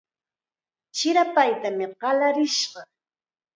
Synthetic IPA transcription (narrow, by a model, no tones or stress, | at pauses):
t͡ʃɪɾapajt̪amɪɢɑlaɾɪʃɢɑ